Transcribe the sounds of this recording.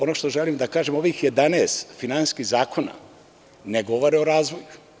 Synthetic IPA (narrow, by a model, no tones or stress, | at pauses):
o̞noʃt̪o̞ʒelimd̪akaːʒemo̞ʋixje̞d̪anɛːst̪finansiskiɣzaːkʰo̞na̰ | neɡo̞ʋoɾeo̞ɾaːzʋo̞ju